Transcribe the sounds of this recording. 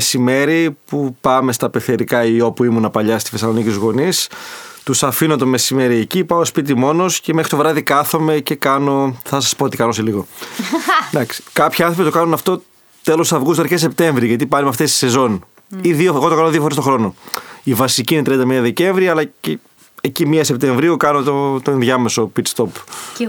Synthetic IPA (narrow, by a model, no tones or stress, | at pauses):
sime̞ɾipupɐme̞st̪ɐpeθeɾikɐio̞puimunɐpɐʎɐst̪i̥fesɐlonicit̪uzɣo̞nist̪usɐfinot̪o̞me̞sime̞ɾiecipɐospit̪̬imo̞no̞sce̞mexɾit̪o̞vɾɐðikɐθo̞me̞ce̞kɐno̞θɐs̬ɐspoot̪ikɐnoseliɣo | d̪ɐksi̥kɐpçiɐ̃nθɾopit̪o̞kɐnunɐft̪o̞ | t̪e̞lo̞sɐvɣust̪oɾkesep̚t̪e̞ɱvɾiʝɐt̪ipɐɾimɐft̪est̪i̥se̞zo̞n | iðioeɣot̪o̞kɐnoðiofoɾest̪oxɾo̞no̞ivɐsiciːinet̪ɾiɐnd̪ɐmiɐðe̞ce̞ɱvɾiɐɐlɐce | ecimiɐse̞p̚t̪e̞ɱvɾiokɐnot̪ot̪oenðʝɐme̞so̞pit̪st̪o̞p